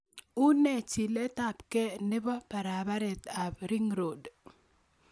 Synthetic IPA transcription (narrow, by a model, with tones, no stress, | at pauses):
u˦nɛ˦t͡ʃi˨lɛ˦t̪a˨pkɛ˦nɪ˦bɔ˦pa˨ɾa˨ba˦ɾɛ˨t̪a˨bɾi˦ŋɾo˨d